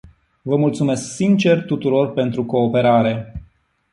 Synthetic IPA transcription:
vəmult̪sume̞sksint͡ʃe̞rt̪ut̪uɾo̞rpe̞nt̪ɾuko̞ːpe̞ɾaɾe̞

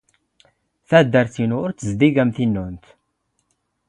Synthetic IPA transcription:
θæd̪ːəɾθinʊɾt͡sːəzd̪iɡæmθinːunt̪

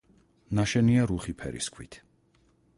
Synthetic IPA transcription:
naʃɛniaɾuχipʰɛ̰ɾḭskʰwḭt̪ʰ

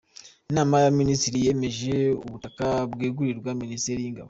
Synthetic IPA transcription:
naːmajaministiɾije̞me̞ʒe̞ṵβutakabwiːɡuɾiɾɡwaministeɾijiŋɡa̰βo

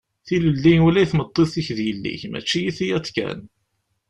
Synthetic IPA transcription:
θiləlːinulæjθmət̪ˤːiθiçðjəlːḭçmæ̰t͡ʃːijiθijæt͡sːkæ̰n

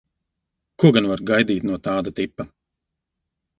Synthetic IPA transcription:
kuɔɡanvaɾɡajd̪iːt̪nuɔt̪aːd̪at̪ipːɐ

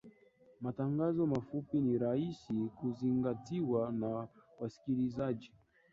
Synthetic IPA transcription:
mataŋɡazɔmafupiniɾahisikuziŋɡatiwanawasi̥kilizad͡ʒi

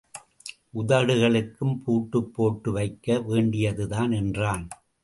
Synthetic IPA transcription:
ʔʊðɐɽɯɣɐɭɯkːɯmpuːʈːɯpːoːʈːɯʋɐɪkːɐʋeːɳɖɪjɐðɯðaːnɛndraːn

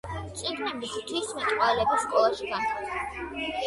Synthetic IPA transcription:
t̪sʼiɡnɛbist̪ʰwismɛt̪ʼqʼwalɛbisːkʼɔlˠaʃiɡa

